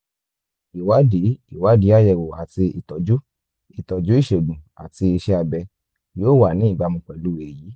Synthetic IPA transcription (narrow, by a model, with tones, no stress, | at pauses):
i˨wa˨˦di˨˦i˨wa˨˦di˨˦a˦˨jɛ˨wo˨a˨ti˧i˨tɔ˨˦d͡ʒu˦ | i˨tɔ˨d͡ʒu˦i˦˨ʃe˨ɡ͡bũ˨a̰˨ti˧i˧ʃɛ˧a˧bɛ˧ | joː˦˨wa˨nĩ˨˦i˦˨ɡ͡ba˧mũ˧k͡pɛ˨lu˦e˨ji˨˦